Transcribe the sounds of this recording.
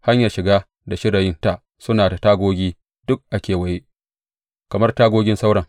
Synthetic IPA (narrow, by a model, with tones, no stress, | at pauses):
ha˦ɲjɐ˨rʃɪ˨ɡaː˦ | da˨ʃɪ˦ɾa˨jɪ˦nta˦˨ʔ | sʊ˦naː˨da˨taː˦ɡʷoː˦ɡʲiː˦ | d̥ʊ˦k̚ʔa˦kʲeː˨wɐ˨je˦ | kɐ˨mɐ˦rtaː˦ɡʷoː˦ɡʲɪ˦nsa˦wɽɐ˨ŋ